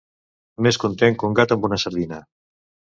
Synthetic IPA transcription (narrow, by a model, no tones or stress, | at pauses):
meskunt̪eŋkuŋɡat̪əmbunasəɾðinə